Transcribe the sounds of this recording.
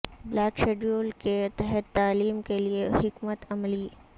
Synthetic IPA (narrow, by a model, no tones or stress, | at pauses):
blaːkʃeːɖɾoːlket̪ɛɦɛt̪ːaːliːmkeliehɪkmət̪ɐmliː